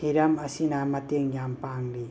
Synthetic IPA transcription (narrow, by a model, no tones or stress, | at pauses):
hiɾɐmɐsinamɐteŋjampaŋɾi